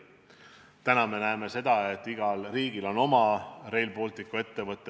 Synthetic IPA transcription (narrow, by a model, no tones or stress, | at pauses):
t̪ænɑme̞næeme̞se̞d̪̥ɑe̞t̪ːˑiɡ̥ɑlriːɡ̥ilo̞no̞mɑre̞jlpo̞ːlt̪ːikːˑue̞t̪ːe̞vɤt̪ːˑe